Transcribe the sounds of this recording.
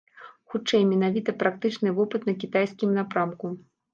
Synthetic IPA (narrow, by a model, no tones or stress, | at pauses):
xut͡ʂɛjmʲɛnavʲit̪ɐpɾak̚t̪ɨt͡ʂn̪ɨvɔpɨt̪nɐkʲit̪ajskʲimnapɾamku